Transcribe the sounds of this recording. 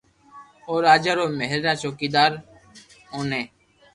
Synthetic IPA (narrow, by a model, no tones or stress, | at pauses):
oːɾaːd͡ʒaːɾoːməɦɾɾãːt͡ʃoːkiːd̪aːɾ | ɦoːneː